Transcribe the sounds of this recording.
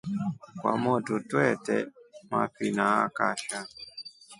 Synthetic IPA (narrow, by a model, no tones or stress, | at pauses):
kwa̰mɔdʊtuɛtɛma̰pinaakaʃa